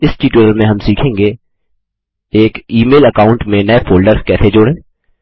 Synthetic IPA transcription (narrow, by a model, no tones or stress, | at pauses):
ɪskiʈuːɾəlmẽɦɐmsiːkʰẽːŋɡe | eːkiːmeːlɐkaːʊ̃ɳʈmẽnɐefoːlɖəɾskɛːsed͡ʒʊɽẽː